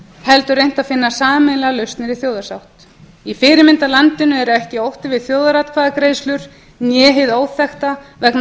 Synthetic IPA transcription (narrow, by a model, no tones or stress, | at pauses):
hɛlt̪ʏrejn̥t̪aðfɪnːasaːmɛjnlɛɣalœɥst̪nɪɾiθjoːwðasawht̪ | ifɪːɾɪmɪnt̪alant̪ɪnːʏɛɾʏɛhcɪowht̪ɪvɪðθjoːwðaɾat̪kʰvaːðakɾeːjslʏɾ̥ | njɛːɦɪðoːwθɛxt̪avɛkn